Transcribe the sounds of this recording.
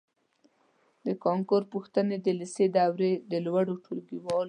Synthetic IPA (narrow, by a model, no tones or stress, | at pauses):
d̪əkɑŋkʊɾpuxt̪əned̪əlised̪awɾed̪əlwaɽoʈʰulɡiwɑl